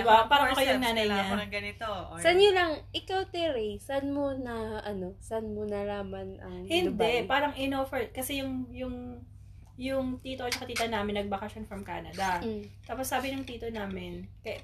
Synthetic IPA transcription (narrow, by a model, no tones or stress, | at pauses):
ɪbapaːɾɐɐkɐjʊŋnaːnɐjɲaɐɡɐnɪt̪osɐnolɐŋʔɪkawt̪ɪɾɛjsɐnmonɐʔɐno̞sanmonɐlaːmɐnɐŋhɪnd̪ɛpaːɾɐŋɪnofɛɹ̚kɐsɛjʊŋjʊŋ | jʊŋt̪iːt̪oʔɐt͡ʃɐkɐt̪iːt̪ɐnaːmɪnːɐɡ̚bɐkɐʃonfɾɐmka̰ːnɐd̪ɐt̪aːposːaːbɪnɐŋt̪iːt̪onaːmɪnkɐ